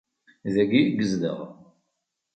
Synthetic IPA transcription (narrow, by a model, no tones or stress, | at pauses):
ðæɡiɡəzðə̰ʁ